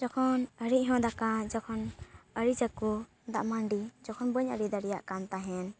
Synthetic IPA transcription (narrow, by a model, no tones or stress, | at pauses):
d͡ʒɔkʰɔnəɾiʔɦɔ̃d̪akad͡ʒɔkʰɔnəɾid͡ʒaku | d̪aʔmaɳɖid͡ʒɔkʰɔnbəɲəɾid̪aɾɛjaʔkant̪aɦɛn